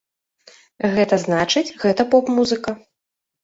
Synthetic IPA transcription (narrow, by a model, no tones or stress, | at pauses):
ɣɛt̪ɐznat͡ʂɨt͡sʲɣɛt̪ɐpɔpmuzɨkɐ